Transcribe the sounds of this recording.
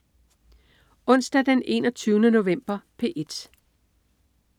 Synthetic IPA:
ɔ̽n̰sd̥æd̥ene̝̰ːnɒ̽t͡sʰyːʊnəno̝ʋem̰b̥ɐpʰe̝̰ːʔe̝d̥

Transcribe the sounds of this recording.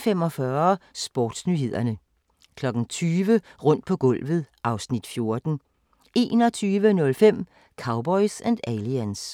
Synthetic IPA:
fem̰ɒ̽fɶːɐsb̥ɒ̰ːd̥snyhe̝ð̞̰ˠɐnə | kʰlɒ̽ɡ̥ŋ̩t͡sʰyːʋəʁɔ̽n̰d̥̚pʰɒ̽ɡ̥ɔ̽l̰ʋð̩ˠʔɑ̈ʊsnid̥fjo̝ɐd̥n̩ | e̝̰ːnɒ̽t͡sʰyːʋənɔ̽lfem̰ | kʰɑ̈ʊb̥ɒ̽ɪsænd̥æliæns

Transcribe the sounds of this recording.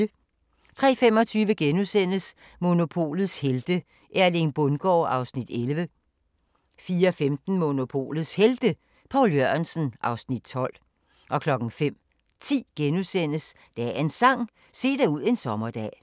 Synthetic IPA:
t͡sʰʁɛ̰ːfem̰ɒ̽t͡sʰyːʋəɡ̥enusen̰əs | mo̝no̝pʰo̝̰ːlð̩ˠsheld̥ə | ʔæɐle̝nb̥ɔnɡ̥ɒ̰ːɑ̈ʊsnid̥elʋə | fiːɐɒfemd̥n̩mo̝no̝pʰo̝̰ːlð̩ˠsheld̥ə | pʰɑ̈ʊljøɐnsn̩ʔɑ̈ʊsnid̥̚t͡sʰɒ̽l̰ | ʔɒ̽kʰlɒ̽ɡ̥ŋ̩fem̰ | t͡sʰḭːɡ̥enusen̰əs | d̥ææe̝nsɑ̈ŋ̰ | se̝̰ːd̥æuð̞̰ˠe̝nsɒ̽mɐd̥ɛ̰ː

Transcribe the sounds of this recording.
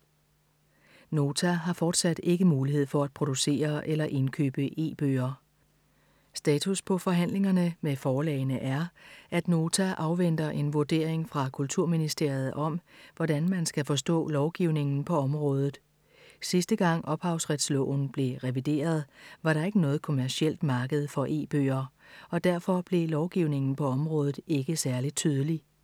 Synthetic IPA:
no̝ːt͡sʰæɦɑ̈fɒːd̥sæd̥e̝ɡ̥əmuːlihe̝ð̞̰ˠfɒ̽æd̥̚pʰʁo̝d̥use̝̰ːɐʔelɐʔe̝nkʰø̰ːb̥əʔe̝̰ːb̥ø̰ːɐ | sd̥ɛːt͡sʰuspʰɒ̽fɒ̽ɦæn̰le̝ŋɐnəmefɒːlɛ̰ɪnəʔæɐʔæd̥no̝ːt͡sʰæʔɑ̈ʊʋen̰d̥ɐʔe̝nʋuɐd̥e̝̰ɐ̰eŋfʁɑ̈kʰult͡sʰuɐ̰minisd̥e̝ɐ̰jð̞̩ˠɒ̽mʋɒd̥ænmænsɡ̥æfɒ̽sd̥ɔ̰̽ːlɒʊɡ̥iʊne̝ŋn̩pʰɒ̽ɒ̽mʁɔ̽ːð̞ˠð̩ˠ | sisd̥əɡ̥ɑ̈ŋ̰ɒ̽b̥hɑ̈ʊsʁɛd̥slɔ̰ːʊ̰n̩b̥le̝ʁɛʋid̥e̝̰ːɐð̞ˠʋɑ̈ɾɑ̈e̝ɡ̥ənɔ̽ːð̩ˠkʰo̝mæɐsiel̰d̥mɑ̈ːɡ̥əð̞̩ˠfɒ̽ʔe̝̰ːb̥ø̰ːɐ | ɒ̽d̥æɐfɒ̽b̥le̝lɒʊɡ̥iʊne̝ŋn̩pʰɒ̽ɒ̽mʁɔ̽ːð̞ˠð̩ˠe̝ɡ̥əsæɐli̥t͡sʰyːð̞ˠəli

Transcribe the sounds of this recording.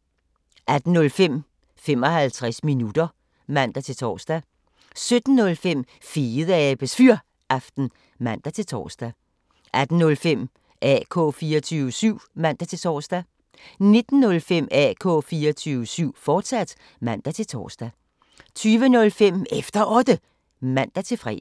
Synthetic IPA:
ʔæd̥n̩nɔ̽lfem̰ | fem̰ɒ̽hælt͡sʰʁasminud̥ɐ | mæn̰d̥æt͡sʰe̝lt͡sʰɒ̰ːsd̥æ | sød̥n̩ːɔ̽lfem̰ | fiːð̩ˠəɛb̥esfyɐ̰ | ʔæfd̥n̩ | mæn̰d̥æt͡sʰe̝t͡sʰɒ̰ːsd̥æ | ʔæd̥n̩nɔ̽lfem̰ | ʔɛ̰ːkʰɔ̰̽ːfiːɐɒt͡sʰyːʋəsyʊ̰mæn̰d̥æt͡sʰe̝t͡sʰɒ̰ːsd̥æ | ne̝d̥n̩ːɔ̽lfem̰ɛ̰ːkʰɔ̰̽ːfiːɐɒt͡sʰyːʋəsyʊ̰fɒːd̥sæd̥ | mæn̰d̥æt͡sʰe̝lt͡sʰɒ̰ːsd̥æ | t͡sʰyːʋənɔ̽lfem̰efd̥ɐʔɒ̽d̥ə | mæn̰d̥æt͡sʰe̝lfʁɛ̰

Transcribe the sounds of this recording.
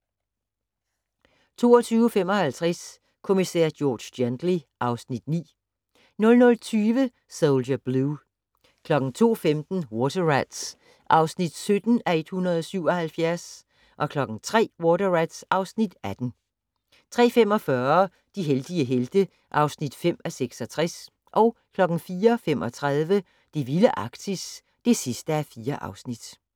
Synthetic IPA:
t͡sʰo̝̰ːɒt͡sʰyːʊfem̰ɒ̽hælt͡sʰʁɛs | kʰo̝misæ̰ːɐd̥jɔːd̥ɕd̥jend̥liʔɑ̈ʊsnid̥nḭː | nɔ̽lnɔ̽lt͡sʰyːʋə | soʊlɐb̥lu | kʰlɒ̽ɡ̥ŋ̩t͡sʰo̝̰ːfemd̥n̩wɔdɐʁæd̥s | ʔɑ̈ʊsnid̥sød̥n̩æe̝d̥hunʁɐð̩ˠɒ̽syʊ̰ɒ̽hælfjæɐs | ʔɒ̽kʰlɒ̽ɡ̥ŋ̩t͡sʰʁɛ̰ːwɔːdɐʁæd̥sʔɑ̈ʊsnid̥æd̥n̩ | t͡sʰʁɛ̰ːfem̰ɒ̽fɶɐ | d̥iɦeld̥iəɦeld̥ə | ʔɑ̈ʊsnid̥fem̰æseɡ̥sɒ̽t͡sʰʁɛs | ʔɒ̽ʊkʰlɒ̽ɡ̥n̩fiːɐfem̰ʔɒ̽t͡sʰʁað̞ˠʋə | d̥iʋiləʔɑ̈ɡ̥̚d̥ʰis | d̥e̝sisd̥əæfiːɐʔɑ̈ʊsnid̥

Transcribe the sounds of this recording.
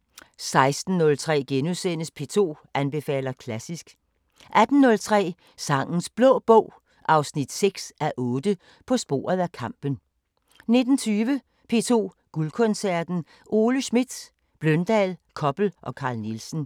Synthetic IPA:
sɑ̈ɪsd̥n̩ːɔ̽lt͡sʰʁɛ̰ːɡ̥enusen̰əspʰe̝̰ːt͡sʰo̝̰ː | ænb̥e̝fɛ̰ːlɐkʰlæsisɡ̥ | ʔæd̥n̩ːɔ̽lt͡sʰʁɛ̰ː | sɑ̈ŋ̰n̩sb̥lɔ̰̽ːb̥ɔʊ̰ | ʔɑ̈ʊsnid̥seɡ̥sæʔɔ̽ːd̥ə | pʰɒ̽sb̥o̝̰ːɐð̩ˠækʰɑ̈m̰b̥ən̩ | ne̝d̥n̩t͡sʰyːʋə | pʰe̝̰ːt͡sʰo̝̰ː | ɡ̥ulkʰɔ̽nsæɐd̥n̩ | ʔo̝ːləsmid̥ | b̥lœnd̥ɛlkʰɒ̽b̥l̩ʔɒ̽kʰɑ̈ːlnilsn̩

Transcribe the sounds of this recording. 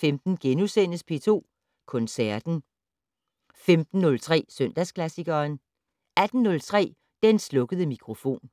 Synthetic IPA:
femd̥n̩ɡ̥enusen̰əspʰe̝t͡sʰo̝̰ː | kʰɔ̽nsæɐd̥n̩ | femd̥n̩ːɔ̽lt͡sʰʁɛ̰ːsøn̰d̥æskʰlæsiɡ̥ɐːn | æd̥n̩ːɔ̽lt͡sʰʁɛ̰ː | d̥enslɔ̽ɡ̥əð̞ˠəmikʰʁo̝fo̝̰ːn

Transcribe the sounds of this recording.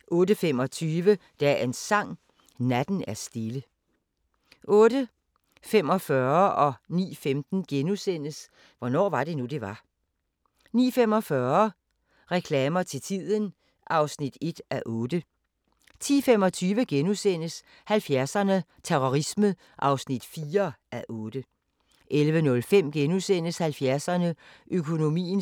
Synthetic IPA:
ʔɔ̽ːdəfem̰ɒ̽t͡sʰyːʋəd̥ɛensɑ̈ŋ̰ | næd̥n̩æɐsd̥e̝lə | ɔ̽ːɾ̥ə | fem̰ɒ̽fɶɐʔɒ̽nḭːfemd̥n̩ɡ̥enusen̰əs | ʋɒnɒ̰ːʋɑ̈d̥e̝nud̥e̝ʋɑ̈ | nḭːfem̰ɒ̽fɶɐ | ʁɛkʰlɛːmɐt͡sʰe̝t͡sʰið̰ˠən | ʔɑ̈ʊsnid̥e̝d̥ʔæʔɔ̽ːd̥ə | t͡sʰḭːfem̰ɒ̽t͡sʰyːʋəɡ̥enusen̰əs | hælfjæɐsɐnə | t͡sʰeʁoʁismə | ʔɑ̈ʊsnid̥fiːɐʔæʔɔ̽ːd̥ə | ʔelʋənɔ̽lfem̰ɡ̥enusen̰əshælfjæɐsɐnəʔøkʰo̝no̝mḭːn

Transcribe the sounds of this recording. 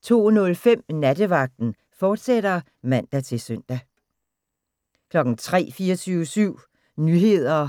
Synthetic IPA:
t͡sʰo̝̰ːnɔ̽lfem̰næd̥əʋɑ̈ɡ̥̚d̥n̩ | fɒːd̥seɾ̥ɐ | mæn̰d̥æt͡sʰe̝sœn̰d̥æ | kʰlɒ̽ɡ̥n̩t͡sʰʁɛ̰ːfiːɐt͡sʰyːʊəsyʊ̰ | nyɦe̝ð̰ˠɐ

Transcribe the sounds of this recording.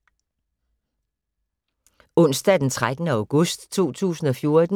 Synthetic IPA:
ɔ̽n̰sd̥æd̥ent͡sʰʁad̥ənəɑ̈ʊɡ̥ɔsd̥t͡sʰo̝̰ːt͡sʰṵːsn̩ɒ̽fjo̝ɐd̥n

